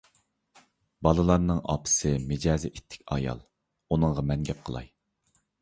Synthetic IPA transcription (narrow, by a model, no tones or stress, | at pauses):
bɑlˠɨlˠɑɾnɨŋɑ̰pʰɨ̥sɨmɪd͡ʒɑːzɪʔit̪ʰːɪ̥kʲɑ̰jɑ̰lˠ | unɨŋʁɑmɛŋɡʲɛp̚qʰəlˠɑ̰j